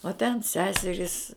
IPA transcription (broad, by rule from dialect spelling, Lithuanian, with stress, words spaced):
oː tʲɛn ˈsʲæːsʲɛrʲiːs